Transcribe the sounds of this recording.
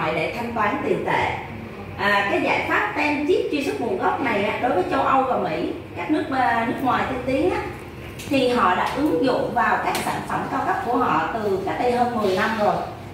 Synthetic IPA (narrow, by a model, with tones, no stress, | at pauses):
jɗḛ˧˩t̪ʰa˧jŋ̟t̪waː˨˦nt̪i˨˩ənt̪ḛ˧˨ | ʔaː˨˩kaː˨˦jza̰ː˧˩jt̪ʰwaː˦˥p̚t̪a˧nt͡ɕi˦˥əp̚t͡ɕi˧sɨ˦˥k̚ɓṵ˨˩əɣɔ˦˥wp̚na˨˩jʔaː˨˧˩ɗo˨˦jvəː˨˦jt͡ɕə˧wʔə˧wvaː˨˩mḭ˧˥ | kaː˦˥k̚nɨ˦˥ək̚ːnɨ˦˥ək̚ŋwaː˨˩jt̪ʰə˧nt̪i˨˦ənʔaː˨˦ | t̪ʰi˨˩ɦɔ̰˧˨ɗa̰ː˧˥ʔɨ˨˦ŋzʊ̰˧˨ŋ͡mvaː˨˩wkaː˦˥k̚saː˧˩nfə˧˩mkaː˧wkə˦˥p̚ku˧˩əɦɔ̰˧˨t̪ɨ˨˩kaː˨˦˥k̚ɗə˧jɦəː˧nmɨ˨˩əjna˧mzo˨˩j